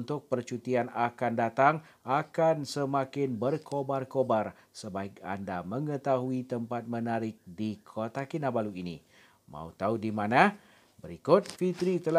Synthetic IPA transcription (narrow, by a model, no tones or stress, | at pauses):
nt̪ʊk̚pərt͡ʃut̪ianakandat̪aŋ | akansəmakɪnbərkʰobarkobar | səbaɪka̰ndamə̃ŋət̪aɦuit̪əmpat̪̚mə̃naɾɪk̚dikʰot̪akinãbaluinḭ | mã̰ut̪audimãnã | bəɾikʊt̪̚fit̪ɾit̪əla